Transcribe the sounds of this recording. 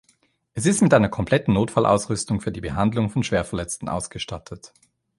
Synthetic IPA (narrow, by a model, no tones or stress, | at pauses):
ʔɛs̬ɪstmɪtʔaɪnɐkʰɔmpl̥ɛtn̩noːtfalʔa̰ʊsʁʏstʊŋfyːɐdiːbəɦandlʊŋfɔnʃv̥eːɐfɛɐlɛt͡stn̩ʔa̰ʊsɡ̥əʃtatʰət